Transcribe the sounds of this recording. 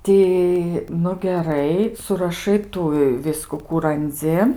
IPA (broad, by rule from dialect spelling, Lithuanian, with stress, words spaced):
ˈtʲɪ nʊ ɡʲɛˈrɐɪ sʊrɐˈʃɐɪ ˈtuː ɪ ˈʋʲɪskʊ ˈkuː rɐnʲˈd͡zʲɪ